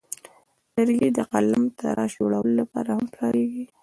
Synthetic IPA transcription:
təɾɡed̪əqalamt̪ʰa̰ɾɑʒoɽawəlolapɑɾahampɾɑɾeɡi

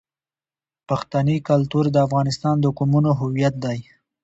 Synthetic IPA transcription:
paxt̪anikalt̪uɾd̪əafɣɑnɪst̪ɑnd̪əkumunoɦʊwijat̪̚d̪aj

